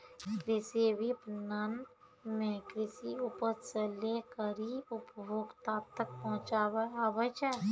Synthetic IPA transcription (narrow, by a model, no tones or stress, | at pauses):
kɾɪsebʱipnan | mẽkɾɪsiʊpəsəlekəɾiʊpbʱoːɡt̪aːt̪ʰːək̚pɔɦʊ̃t͡ʃaːaʋət͡ʃʰɛ